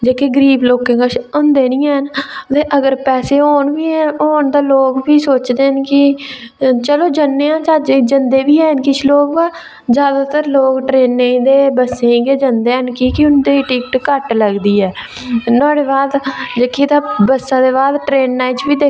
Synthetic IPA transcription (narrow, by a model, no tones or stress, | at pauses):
d͡ʒeːkeɡəɾiːbloːkẽːŋɡəʃʊnd̪eːnĩːɛɦnt̪eːʔəɡəɾpɛːseːɦoːɳbiːoːɳd̪aːloːkbiːsoːt͡ʃd̪eːənkɪ | t͡ʃəloːd͡ʒənːeːãːt͡ʃaːd͡ʒeːd͡ʒənd̪eːbiːɛːnkɪt͡ʃʰloːka | zjaːd̪aːt̪əɾloːkʈɾeːnːeĩːd̪eːbəsẽːɡeːd͡ʒənd̪eːɦənkiːkɪʊnd̪eːʈiːkʈkəʈləɡd̪iːɛː | nɔːɽeːbaːd̪d͡ʒeːkʰeːt̪aːbəsːãːd̪eːbaːd̪ʈɾeːnːaːit͡ʃbiːd̪eː